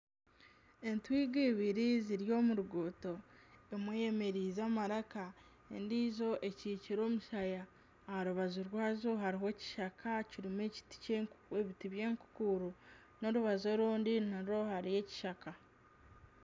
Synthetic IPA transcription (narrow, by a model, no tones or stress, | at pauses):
e̞ntwiːɡiβiɾiziɾjo̞ːmuɾuɡoto̞emweje̞me̞ɾiːzaːmaɾaka | e̞̰ndiːzo̞ʔe̞ciːciɾo̞ːmuʃajaː | haɾuβazuɾwaːzoɦaɾiɦe̞ci̥ʃakʰaciɾime̞ci̥ti̥ceeβitiβje̞ːŋku̥kuɾo | no̞ɾuβazo̞ɾuːndinaɾo̞haɾije̞ci̥ʃaka